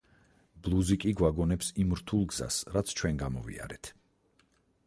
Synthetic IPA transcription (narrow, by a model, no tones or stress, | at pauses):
b̥lˠuzikʼiɡwaɡɔnɛpsimɾt̪ʰulˠɡz̥a̰sɾat̪sʰt͡ʃʰwɛnɡamɔvḭa̰ɾɛt̪ʰ